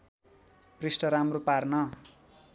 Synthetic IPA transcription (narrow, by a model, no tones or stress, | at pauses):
prisʈʌɾamroparnʌ